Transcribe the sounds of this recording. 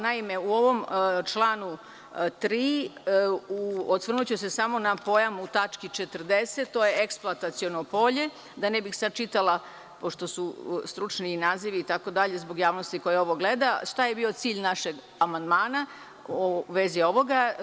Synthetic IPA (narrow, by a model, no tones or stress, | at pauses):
naime̞uo̞ʋo̞mt͡ʃlˠaːnu | t̪ɾiː | uot̪ʋr̩nut͡ɕusesamo̞napo̞jamut̪at͡ʃkit͡ʃet̪ər̩d̪eset̪ːojeeksplˠat̪at̪sio̞nopo̞ʎe̞ | d̪anebixsad̪̚t͡ʃit̪alˠa | po̞ʃt̪o̞sust̪ɾut͡ʃniːnaːziʋiːt̪ako̞d̪aʎe̞zbo̞ɡjaːʋnost̪iko̞jeo̞ʋo̞ɡle̞d̪aʂt̪aje̞bio̞t̪siːʎnaʃeɡ | amand̪maːna | oʋezio̞ʋo̞ɡa